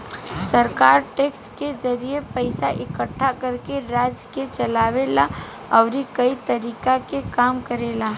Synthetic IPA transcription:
səɾkaːɾʈeːkskezɐɾiepəɪsaʔɪkəʈʰːakɐɾkeɾaːd͡ʒket͡ʃɐlaːʋela | ɔːɾikɐit̪ɐɾiːkakekaːmkəɾeːlaː

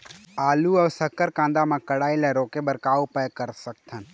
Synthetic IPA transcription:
aːluɔːsəkːəɾkãːnd̪amãkəɽaːilɛɾoːkebəɾkaːupəkəɾsək̚t̪ʰən

